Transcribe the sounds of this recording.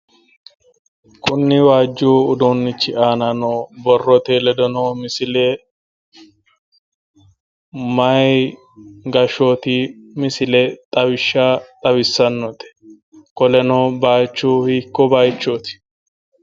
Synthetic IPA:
kʊnːɪwaːd͡ʒːuːʊd̪uːnːɪt͡ʃːɪʔaːnɐnoːbɔrːɔt̪eːlɛd̪ɔnoːmɪsɪle | mɐj | ɡɐʃoːt̪iːmɪsɪlet̪ʼɐbɪʃːaːt̪ʼɐbɪsːɐnːɔt̪ɛ̥ | kɔlɛnoːbaːt͡ʃːuːhiːkːɔbaːjt͡ʃːoːt̪ɪ̥

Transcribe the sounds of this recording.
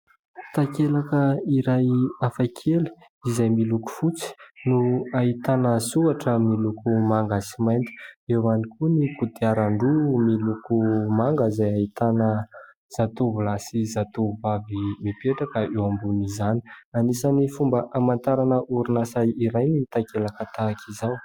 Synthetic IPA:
t̪akelakəiɾajafakʰeli̥ | izajmiluku̥fut͡si̥nuait̪anəzuaʈ͡ʂəmilukumaŋɡasimajnt̪i̥ewanikʰunikud̪iaɾaɳɖ͡ʐumilukumaŋɡəzajait̪anə | z̥at̪uvulasizat̪uvavimipeʈ͡ʂakəʔewambunizanianisanifumbəʔamant̪aɾanəʔuɾunasajiɾajnit̪akelakat̪akizaw

